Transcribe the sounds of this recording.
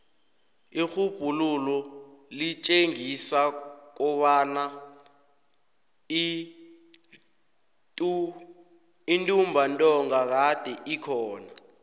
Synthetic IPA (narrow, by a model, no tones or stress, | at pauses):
ixub̥ʱululɔlit͡ʃʼeŋisak̬ɔɓana | intʼumbʱantʼɔŋak̬ad̥ʱɛʔikʰɔːna